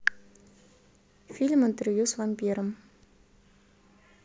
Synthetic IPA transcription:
filmənt̪ərvjusvampiɾəm

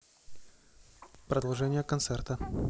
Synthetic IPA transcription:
pɾəd̪ɐlˠʐɛnʲɪjəkɐnt̪sɛrt̪ə

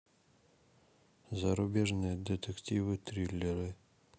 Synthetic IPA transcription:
zɐɾubʲeʐnɨjəd̪ʲet̪ʲektʲivɨt̪rʲilʲːeɾʲɨ

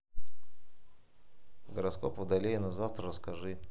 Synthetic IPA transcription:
ɡəɾɐsko̰pvʊd̪ɐlʲejɪnɐzaft̪ɾəɾəskɐʐɨ

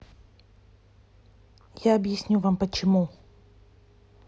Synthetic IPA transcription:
jaɐbjɪsʲnʲuvampət͡ɕɪmu

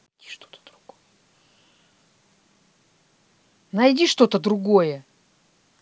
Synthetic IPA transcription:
nɐjdʲi̥ʂt̪ot̪əd̪̥ɾʊɡ̥ojə | nɐjdʲiʂt̪o̞t̪əd̪ɾʊɡojə

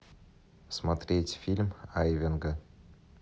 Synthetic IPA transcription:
smɐt̪ɾʲetʲfʲilʲmajvʲɪnɡə

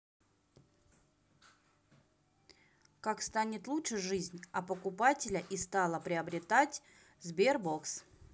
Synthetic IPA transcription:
kakst̪anʲɪt̪lˠutʂɨjʐɨzʲnʲɐpəkʊpatʲɪlʲəʔist̪alˠəpɾʲɪəbɾʲɪt̪atʲ | zbʲerboks

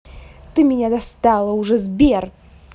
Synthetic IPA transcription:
t̪ɨmʲɪnʲad̪ɐst̪ɑlˠəʊʐɛzbʲer

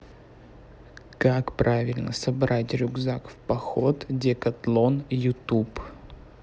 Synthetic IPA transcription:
kakpɾavʲɪlʲnəsɐbɾatʲɾʲʊɡzakfpɐxot̪dʲekɐt̪lˠonjʊt̪up

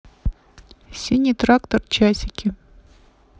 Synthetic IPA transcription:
sʲinʲːit̪rakt̪ort͡ɕasʲɪkʲɪ

